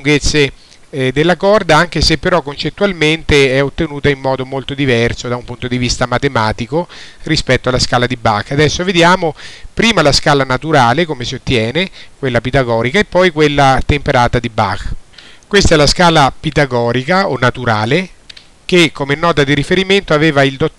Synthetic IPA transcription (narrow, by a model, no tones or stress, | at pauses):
uŋɡet̪sːe | d̪elːakɔrd̪aaŋk̟esepːeɾɔkːont͡ʃet̪ːualment̪eɛot̪ːenuːt̪aimːɔːd̪omolt̪od̪ivɛrsod̪aumpunt̪od̪ivist̪amat̪emaːt̪ikorispɛt̪ːoalaskaːlad̪ibakːad̪ɛsːoved̪jaːmopɾiːmalaskaːlanat̪uɾaːlekomesiot̪ːjɛːnekwelːapid̪aɡɔːɾikaepːɔjkwelːat̪empeɾaːt̪ad̪iba̰kːkwest̪aɛlaskaːlapid̪aɡɔːɾikaonːat̪uɾaːle | kekʰːomenːɔːt̪ad̪iɾifeɾiment̪oaveːvaild̪o